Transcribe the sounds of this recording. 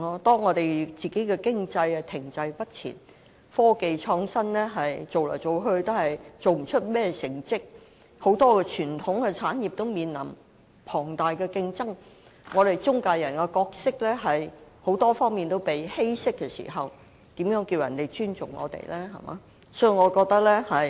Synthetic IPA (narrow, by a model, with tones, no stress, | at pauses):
ɔː˥t̪ɔː˥ŋɔː˨˧t̪e˨jt͡siː˨˩ke˨˥jkɛ˧kɪ˥ŋt͡sɐ˧jɐ˧t̪ʰɪ˨˩ŋt͡sɐ˧jpɐ˥t̚t͡sʰḭː˨˩n | fɔː˥ke˨jt͡ʃʰɔː˧ŋsɐ˥nlɛː˥ɦɐ˨jt͡so˨wlɔ̰ː˨˩jt͡so˨wɦɵ˧ɥt̪o˥hɐ˨jt͡so˨wm̩˨˩t͡ʃʰɵ˥t̚mɛː˥˧sɪ˨˩ŋt͡sɪ˥k̚ | ho˨˥wt̪ɔː˥kɛ˧t͡ʃʰyː˨˩nt̪ʰʊ˨˥ŋkɛ˧t͡sʰaː˨˥nji˨p̚t̪o˥wmiː˨nlɐ̰˨˩m | pʰɔː˨˩ŋt̪aː˨jkɛː˧kɪ˧ŋt͡sɐ˥ŋ | ŋɔː˨˧t̪e˨jt͡sʊ˥ŋkaː˧jɐ˨˩nkɛ˧kɔː˧k̚sɪ˥k̚lɛː˥ɦɐ˨jho˨˧˥wt̪ɔː˥fɔː˥ŋmiː˨nt̪o˥wpe˨jhe˥jsɪ˥kːɛ˧sḭ˨˩ɦɐ˨w | t̪iː˨˥mjœː˨˥ŋkiː˧wjɐ̰˨˩nt̪e˨˩jt͡ʃyː˥nt͡sʊ˨˩ŋːɔ̰ː˨˧t̪ḛ˨˩jlʔɛː˥ɦɐ̰˨˩ma̰ː˨˧˦ | sɔ˥ji˨˩ŋɔː˨˧kɔː˧k̚t̪ɐ˥k̚lɛː˥hɐ˨j